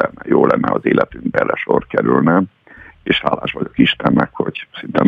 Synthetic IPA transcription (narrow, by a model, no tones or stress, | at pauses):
ɛnːɛjoːlɛnːɛɒzeːlʔɛt̪yŋɡbɛrːɛʃorkɛɾylnɛ | eːʃhaːlaːʃʋɒɟo̞kiʃt̪ɛnːɛkho̞ɟsint̪ɛn